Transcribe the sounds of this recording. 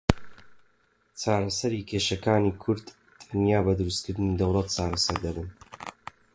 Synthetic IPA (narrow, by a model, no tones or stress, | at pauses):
t͡saːɾɐsɐɾiːkʲʰeːʃɐkaːnikʰʊɾd̪ | t̪ʰɐnjaːbɐd̪ɨɾust̪kɨɾd̪ɨnid̪ɐwlˠɐt̪̚t͡saːɾɐsɐɾd̪ɐbun